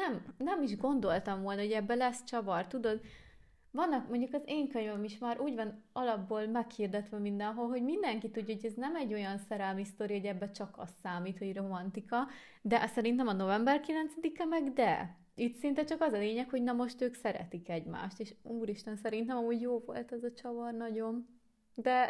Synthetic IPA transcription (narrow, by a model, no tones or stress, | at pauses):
nɛmnɛmiʒɡo̞nd̪o̞lt̪ɒɱvoːlnɒɦoɟɛbːɛlɛst͡ʃɒvɒrt̪ud̪o̞d̪ | vɒnːɒkmo̞ɲɟukɒzeːŋkøɲvɛmiʃmaːɾʔuːɟvɒnɒlɒbːoːlmɛkhird̪ɛt̪ʋɛmind̪ɛnɦo̞lɦo̞ɟmind̪ɛŋkit̪uɟːoɟɛznɛmɛɟːo̞jɒnsɛɾɛlmist̪o̞ɾiho̞ɟɛbːɛt͡ʃɒkɒ̰st̪ːaːmiːt̪ho̞ɟro̞mɒnt̪ikɒ | d̪ɛʔsɛɾint̪ɛmɒno̞vɛmbɛrkilɛnt̪sɛd̪ikɛmɛɡd̪ɛ | it̪sint̪ɛt͡ʃɒkɒzɒleːɲɛkhoɟnɒmo̞ʃt̪øːksɛɾɛ̰t̪ikɛɟma̰ːʃt̪eːʃuːɾiʃt̪ɛnsɛɾint̪ɛmɒmuːɟjoːvo̞̰lt̪ɛzɒt͡ʃɒvɒrnɒɟo̞m | d̪ɛ